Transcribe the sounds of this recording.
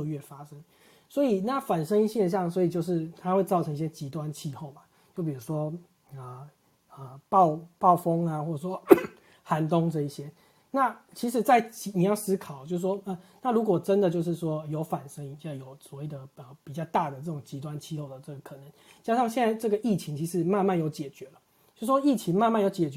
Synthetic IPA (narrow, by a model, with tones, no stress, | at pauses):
ə˥˧ɥɛ˥˩fa˥ʂə˦˥ŋ | swɔ˧˥i˨˩na˥˨fa˨˩nʂə˥ŋi˥˧ɕjɛ˥˧nɕ̬jɑ˥˩ŋs̬wɔ˧˥i˨˩t͡ɕjo˥˧ʊʂ̬ɻ̩˥˩t̪ʰa˥xwe˥˧ɪt͡sɑ˥˩ʊʈ͡ʂʰɤ˧˦ŋi˥˩ɕjɛ˥t͡ɕi˧˥t̪wa˦nt͡ɕʰi˥˧xo˥˩ʊba˩ | t͡ɕjo˥˩ʊp̬i˨˩u˧˥ʂwɔ˦˥ | ə˩ | ə˩pɑ˥˨ʊpɑ˥˩ʊfo˦ŋa˨xwɔ˥˩ʈ͡ʂə˨˩ʂwɔ˦˥ | xa˧˥nt̪ʊ˦ŋʈ͡ʂɤ˥˧i˥˩ɕjɛ˦ | na˥˩t͡ɕʰi˧˥ʂɻ̩˨˩t͡sa˥˩ɪt͡ɕi˨˥ni˨˩jɑ˥˩ʊsɹ̩˥kʰɑ˨˩ʊt͡ɕjo˥˧ʊs̩˥˩ʂwɔ˥ə˨na˥˩lu˧˥kwɔ˨˩ʈ͡ʂə˦nd̪ə˨t͡ɕjo˥˧ʊʂ̬ɻ̩˥˩ʂwɔ˥jo˧˥ʊfa˨˩nʂə˧˥ŋi˨˩t͡ɕa˥˩jo˨˩ʊswɔ˨˦we˥˩ɪd̪ə˩ə˩pi˨˩t͡ɕjɑ˥˧ʊt̪a˥˩d̪ə˩ʈ͡ʂɤ˥˩ʈ͡ʂo˨˩ŋt͡ɕi˧˥t̪̬wa˦nt͡ɕʰi˥˧xo˥˩ʊd̪ə˩ʈ͡ʂɤ˥˩ɡə˩kʰɤ˨˩nə˧˦ŋt͡ɕja˥ʂɑ˥˧ŋɕjɛ˥˧nt͡sa˥˧ɪʈ͡ʂɤ˥˩ɡə˩ʔi˥˩t͡ɕʰi˧˦ŋt͡ɕʰi˧˥ʂɻ̩˧˦ma˥˧nma˥˩njo˧˥ʊt͡ɕjɛ˨˩t͡ɕɥɛ˧˦lə˨ | t͡ɕo˥˩sʂwɔ˥i˥˩t͡ɕʰi˧˦ŋma˥˧nma˥˩njo˧˥ʊt͡ɕjɛ˨˩t͡ɕ